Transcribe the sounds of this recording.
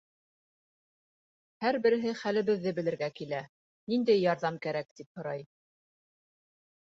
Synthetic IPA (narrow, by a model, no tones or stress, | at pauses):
hæɾbɘ̆ɾɘ̆ɦɘχælɘ̆βɘ̆ðːɘbɘ̆lɘ̆ɾɡækilæ | nind̪æjːɑɾðɑmkæɾæk̚t̪iphŏɾɑj